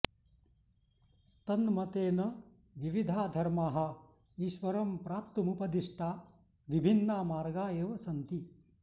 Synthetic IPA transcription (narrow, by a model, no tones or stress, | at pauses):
t̪ɐnmɐt̪eːnɐ | ʋiʋid̪ʱaːd̪ʱɐɾmaːɦɐ | iʃʋɐɾɐmpɾaːpt̪umupɐd̪iʂʈʰaː | ʋibʱinːaːmaːɾɡaːjeːʋɐsɐnt̪i